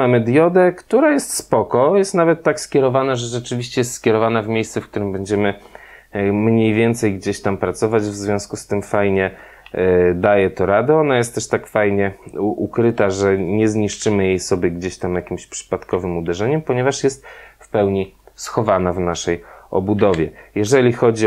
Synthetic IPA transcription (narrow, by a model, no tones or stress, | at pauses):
amɘd̪jɔd̪ɛkt̪uɾajɛst̪spɔkɔjɛst̪navɛt̪ːakskʲɛɾɔvanaʐɛʐɛt͡ʂɘvʲiɕt͡ɕɛjɛst̪skʲjɛɾɔvanavmʲjejst̪sɛfkt̪uɾɘmbɛɲd͡ʑɛmɘ | mɲejvʲjɛnt̪sɛjɡd͡ʑeɕt̪ampɾat̪sɔvad͡ʑvzvʲjɔ̃skust̪ɘmfajɲɛ | d̪ajɛt̪ɔɾad̪ɛɔnajɛst̪ːɛʂt̪akfajɲɛʔukɾɘt̪aʐɛɲɛzɲiʂt͡ʂɘmɘjejsɔbʲjɛɡd͡ʑeɕt̪amjakʲimɕpʂɘ̥pat̪kɔvɘmud̪ɛʐɛɲɛmpɔɲɛvaʂjɛst̪̚fpɛwɲisxɔvanavnaʂɛjɔ̰bud̪ɔvʲɛjɛʐɛlʲixɔd͡ʑi